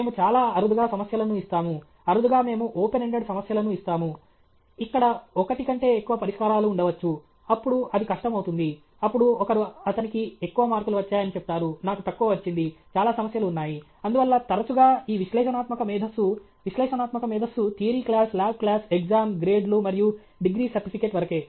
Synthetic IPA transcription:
meːmut͡ʃaːlaːɐɾud̪uɡaːsɐmɐsjɐlɐnuːist̪aːmu | ɐɾud̪uɡaːme̞ːmuʔoːpeneɳɖeɖsɐmɐsjɐlɐnuist̪aːmu | ikːɐɽɐɔkɐʈikɐɳʈe̞ːekːuʋɐpɐɾiʂkaːɾaːluːɳɖɐʋɐt͡ʃːu | ɐpːuɽuɐd̪ikɐʂʈɐmɐwut̪und̪i | ɐpːuɽuɔkɐɾuɐt̪ɐnikiekːuʋɐmaːɾkuluʋɐt͡ʃːaːjɐnit͡ʃep̚ut̪aːɾunaːkut̪ɐkːuːʋɐt͡ʃːind̪it͡ʃaːlaːsɐmɐsjɐluːnːaːji | ɐnd̪uʋɐlːɐt̪ɐɾɐt͡ʃuɡaːiːʋiʃlɛːʂɐnaːt̪mɐkɐmiːd̪ʱɐsu | ʋiʃlɛːʂɐnaːt̪mɐkɐmiːd̪ʱɐsut̪ʰiːɐɾiːklaːslaːb̚klaːsekd͡ʒaːmɡɾe̞ːɖlumɐɾiju | ɖiɡɾiːsɐɾʈipʰike̞ːʈʋɐɾɐke̞ː

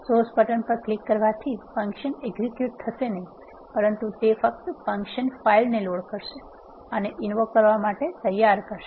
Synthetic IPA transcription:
sospəʈənpəɾklikːəɾʋat̪ʰifə̃ŋkʃəneɡzikjuʈ̚t̪ʰəʃenəɦĩ | pəɾənt̪ut̪efək̚t̪fə̃ŋkʃənfailneloɽkəɾʃe | əneʔɪnʋokkːəɾʋamaʈet̪əjːaɾkəɾʃe

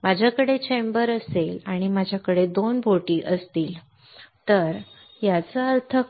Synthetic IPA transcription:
mad͡ʑʱjakəɽet͡ɕembəɾəselaɽ̃imad͡ʑʱjakəɽed̪onbʱoʈiːʔəst̪iːl | t̪əɾ | jat͡səəɾt̪ʰə

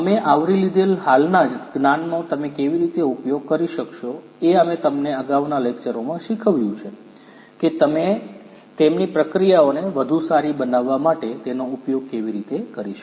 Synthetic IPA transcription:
əmeʔaʋɾilid̪elɦalnad͡ʒɡnanːot̪əmẽkeʋiɾit̪eupjoɡ̚kəɾiʃəkʃo | eəmẽt̪əmneəɡaʋnalekt͡ʃəɾomãʃikʰəʋjũt͡ʃʰe | ket̪əme | t̪emnipɾəkɾijaoneʋəd̪ʱusaɾibənaʋːamaʈet̪enoupjoɡ̚keʋiɾit̪ekəɾiʃə

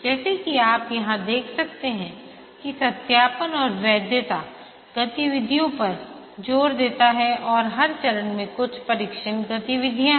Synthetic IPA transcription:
d͡ʒɛːsekiaːpjɐɦãd̪eːkʰsɐk̚t̪eɦɛ̃ | kisɐt̪jaːpənɔːɾʋjɛːd̪ʱjət̪a | ɡ̥ɐt̪iʋɪd̪ʱijõpɐɾ | d͡ʒoːɾd̪eːt̪aɦɛʔɔːɾɦɐɾt͡ʃɐɾənmẽkʊt͡ʃʰpɐɾɪkʃənɡɐt̪iʋɪd̪ʱijã

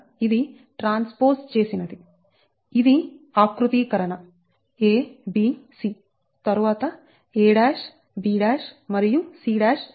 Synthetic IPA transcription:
id̪i | ʈɾaːnspoːɾst͡ʃeːsinɐd̪i | id̪iaːkɾut̪iːkɐɾɐnɐ | eːbisiː | t̪ɐɾuʋaːt̪ɐ | eːɽaːʂ | biːɽaːʂmɐɾijusiːɽaːʂ

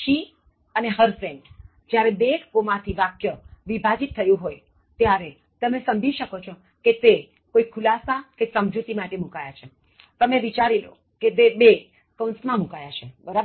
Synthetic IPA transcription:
ʃi | əneɦəɾsẽɳʈ | d͡ʒjaɾebekkomãt̪ʰiʋakjəʋibʱad͡ʒit̪ʰːəjũɦoj | t̪jaɾe | t̪əmesə̃md͡ʒiʃəkot͡ʃʰo | ket̪e | koikʰulasakesəmd͡ʒut̪imaʈemũkajat͡ʃʰe | t̪əmeʋit͡ʃaɾilo̰ | ked̪ebe | kənsmãmũkajat͡ʃʰebəɾab

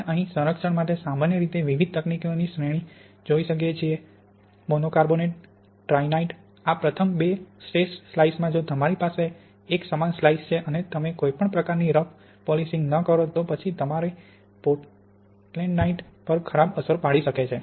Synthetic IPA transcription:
ʔəɦĩsə̃ɾəkʃəɳmaʈesamanjəɾit̪eʋiʋid̪̚t̪əknikionisɾeɽ̃i | d͡ʒoiʃək̬jet͡ʃʰie | monokaɾboneʈ̚ | ʈɾajnaiʈ | apɾət̪ʰəmbesʈesːlaismãd͡ʒot̪əmaɾipaseː | ksəmanslaist͡ʃʰeʔənet̪əmekoipəɳpɾəkaɾniɾək | polisɪ̃ŋɡnəkəɾot̪opət͡ʃʰit̪əmaɾe | poʈ | ʈleɳɖnaiʈpəɾkʰəɾabəsəɾpaɭiʃəket͡ʃʰe

